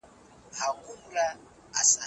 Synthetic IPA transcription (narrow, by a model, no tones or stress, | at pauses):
hakumulaː | sa